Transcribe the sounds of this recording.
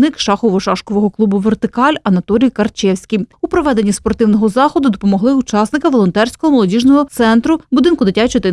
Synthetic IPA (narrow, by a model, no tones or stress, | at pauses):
nɪkʃɑxɔʋɔʃɑʃkɔʋɔɦɔklˠubʊʋert̪ɪkɑlʲɐnɐt̪ɔlʲijkɐrt͡ʃɛwsʲkʲijupɾɔʋɛd̪enʲːispɔrt̪ɪwnɔɦɔzɑxɔd̪ʊd̪ɔpɔmɔɦlˠɪut͡ʃɑsnɪkɐʋɔlˠɔnt̪ɛrʲsʲkɔɦɔmɔlˠɔdʲiʒnɔɦɔt̪sɛnt̪ɾʊbʊd̪ɪnkʊd̪ɪtʲat͡ʃɔt̪ɪ